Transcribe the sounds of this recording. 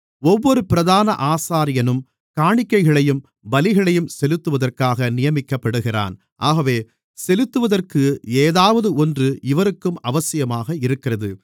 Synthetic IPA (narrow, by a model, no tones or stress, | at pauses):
ɔʋːɔɾɯpɪɾɐðaːnɐʔaːsaːɾɪjɐnɯm | kaːɳɪkːɐɪɣɐɭɐjɯm | bɐlɪɣɐɭɐjɯmsɛlɯt̪ːɯʋɐðɐrkaːɣɐnɪjɐmɪkːɐpːɐɽɯɣɪra̰ːn | ʔaːɣɐʋeː | sɛlɯt̪ːɯʋɐðɐrkɯeːðaːʋɐðɯɔndrɯʔɪʋɐɾɯkːɯmɐʋɐsɪjɐmaːɣɐɪɾɯkːɪrɐðɯ